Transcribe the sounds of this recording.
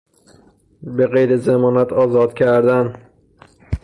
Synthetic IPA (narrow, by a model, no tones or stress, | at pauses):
beɣejɾezemɒːnæt̪ʰɒːzɒːd̪̥cʰæɾd̪æn